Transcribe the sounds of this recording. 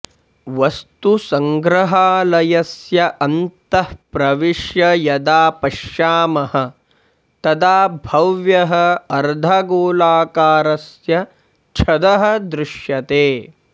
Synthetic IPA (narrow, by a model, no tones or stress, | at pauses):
ʋɐst̪usɐŋɡɾɐɦaːlɐjɐsjɐʔɐnt̪ɐhpɾɐʋiʂjɐjɐd̪aːpɐʃjaːmɐhɐ̆ | t̪ɐd̪aːbʱɐʋjɐɦɐɐɾd̪ʱaɡoːlaːkaːɾɐsjɐ | t͡ʃʰɐd̪ɐɦɐ̆d̪ɾɪʃjɐt̪eː